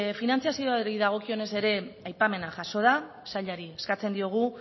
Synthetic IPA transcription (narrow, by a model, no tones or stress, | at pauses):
finant͡sijasio̞aɾiðaɣ̞o̞kio̞ne̞se̞ɾe̞ajpame̞naʝaso̞ð̞a | saʎaɾieskat͡se̞nd̪io̞ɣ̞u